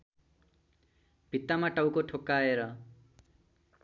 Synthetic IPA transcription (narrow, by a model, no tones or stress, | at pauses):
b̥ʱit̪ːamaʈawkoʈʰokːaeɾʌ